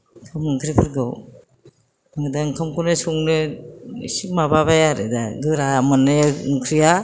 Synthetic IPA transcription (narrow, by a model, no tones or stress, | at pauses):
kʰɯmɯŋkʰɾipʰɯɾɡɯw | aŋɯdaŋkʰɯmkʰunɯsuŋnɯ | sik̚mabaβajaɾɯ̰daɡɯɾamɯnɯuŋkʰɾija